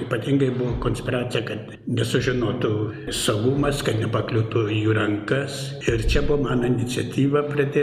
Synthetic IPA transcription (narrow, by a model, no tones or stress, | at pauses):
ipɐt̪ʲiŋɡɐɪbʊʋokoːnʲsʲpʲɪɾɑːt̪sʲɪjɛkɐt̪ | nʲɛsʊʒʲɪnoːt̪ʊsoːɡuːmɐskɐt̪nʲɛpɐklʲut̪ujuɾɐŋkɐs | ɪɾt͡ʃʲɛbʊʋomɑːnɐɪnʲɪt͡ssʲɐt̪ʲiːʋɐpʲɾɐd̪ʲeː